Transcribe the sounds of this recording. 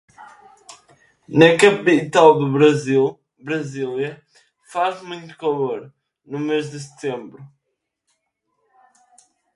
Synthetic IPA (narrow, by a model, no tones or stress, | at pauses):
nɐkɐpit̪alˠd̪uβɾɐzilˠ | bɾɐzilˠjɐ | faʒmũj̃t̪u̥kɐlˠoɾ | numeʒd̪ɨs̬ɨ̥t̪ẽmbɾu